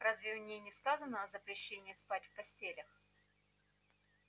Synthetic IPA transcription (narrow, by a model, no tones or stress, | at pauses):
razvʲɪnʲejnʲɪskazənəɐzəpɾʲɪɕːenʲɪjːɪspatʲfpɐsʲtʲelʲəx